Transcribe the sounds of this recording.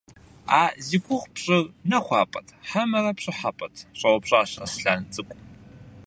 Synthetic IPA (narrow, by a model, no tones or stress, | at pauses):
aːzikʷʊʁpɕʼɪrnɐχʷɑːpʼɐtʰħamɐrɐpɕʼɪħapʼɐtʰɕʼɐwɐpɕʼaːɕɐsɬaːnt͡sʼɨkʷʼ